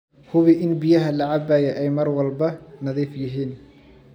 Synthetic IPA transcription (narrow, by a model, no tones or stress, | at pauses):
hʊβiʔɪnbɪjɐɦɐlɐʕɑbaːjɛʔɛjmɐrwɐlbɐnɐðiːfjɪɦiːn